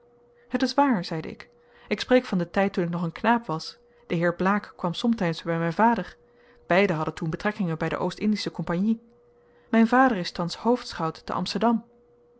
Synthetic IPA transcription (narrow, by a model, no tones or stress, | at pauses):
ɦətɪsʋaːɹzɛjdə̰ɪ̰k | ɪksprejkfɑndətɛjtːunɪknɔχənknaːpʋɑs | d̥əɦɪːɹblaːkːʋɑmsɔmtɛjsbɛjmɛjnvaːdəɹ | b̥ɛjdəɦɑdəntunbətrɛkɪŋənbɛjdə̰ʔowstɪndisəkɔmpaɲni | mɛjnvaːdəɹɪstɑnshowftsχɑwtːə̰ʔɑ̰mstəɹdɑm